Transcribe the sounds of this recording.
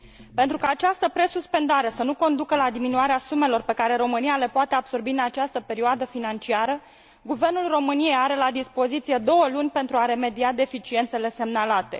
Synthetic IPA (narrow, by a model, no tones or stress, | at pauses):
pe̞nt̪ɾukaːt͡ʃast̪əpɾe̞suspe̞nd̪aɾe̞sənuko̞nd̪ukəlad̪iminuaɾeasume̞lo̞rpe̞kaɾe̞ɾo̞mɨniale̞poat̪e̞ab̥so̞rbiɨnat͡ʃast̪əpe̞ɾioad̪əfinant͡ʃiaɾə | ɡuve̞rnulro̞mɨnije̞jaɾe̞lad̪ispo̞zit̪sije̞d̪o̞wəlunʲpe̞nt̪ɾuaɾe̞me̞d̪iad̪e̞fit͡ʃie̞nt̪se̞le̞se̞mnalat̪e̞